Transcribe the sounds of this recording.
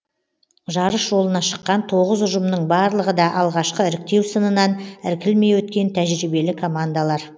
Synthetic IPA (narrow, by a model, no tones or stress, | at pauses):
ʒɑɾəsʒo̞lˠənɑʃə̥qːɑnt̪ʰo̞ʁəzʊʒəmnəɴbɑɾlˠəʁəd̪ɑʔɑlˠʁɑʃqəɪɾɪk̚t̪e̞wsənənɑnɪɾkʲʰɪlme̞jwɵt̪̚kʲe̞nt̪ʰæʒɾɪbe̞lɪkʰo̞mand̪alˠɑɾ